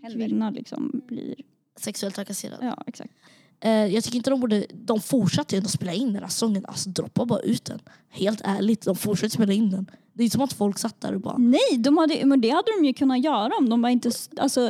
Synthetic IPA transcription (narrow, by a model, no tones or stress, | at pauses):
kʰvɪnːalʔɪ̰ksɔ̰mblḭːɾ | sɛksɵɛlt̪ʰɾakasḛːɾa̰jɑ̰ːɛ̰ksa̰k̚t̪ː | jɑɡt̪ʏkːɾɪnt̪əd̪ɔmbuːɖəd̪ɔmfʊʂat̪ːəɾɛnɔspeːlaɪnd̪ænhæsɔŋːənʔa̰lsɔd̪ɾɔ̰pːabɑːɾa̰ʔʉ̟ːt̪̚d̪ɛ̰n | heːlt̪ʰæːɭɪɡt̪d̪ɔmfʊʂɛk̚t̪əspeːlaɪnːd̪ɛnd̪ɛɪnt̪əsɔmat̪fɔlksat̪ːd̪æ̰ːɾɪbɑ̰ɾnɛjd̪ɔmhad̪ːəmɛnd̪ɛhad̪ːəd̪ɔmjɵkʰɵnːat̪jœːɾaɔmd̪ɔmvaɾɪnt̪əa̰lsɔ